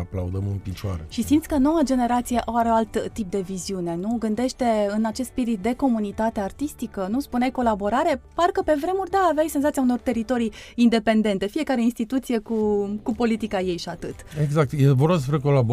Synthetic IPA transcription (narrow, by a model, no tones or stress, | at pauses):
a̰pla̰ud̪əmɨnpit͡ʃoa̰ɾeʃisimt̪sʲkəno̞wad͡ʒe̞ne̞ɾat̪sijeʔawaɾeoalt̪ːip̚d̪e̞viziune̞nuɡɨnd̪e̞ʃt̪e̞ɨnat͡ʃest̪spiɾit̪̚d̪e̞ko̞munit̪at̪eart̪ist̪ikənuspunajko̞labo̞ɾaɾe̞parkəpe̞vɾe̞murʲd̪aːveajsenzat̪ijauno̞rt̪e̞ɾit̪o̞ɾijind̪e̞pe̞nd̪e̞nt̪e̞fije̞kaɾeinst̪it̪ut̪sije̞kukupo̞lit̪ikaje̞jʃiat̪ɨt̪eɡzak̚t̪jevoɾassəspɾeko̞lab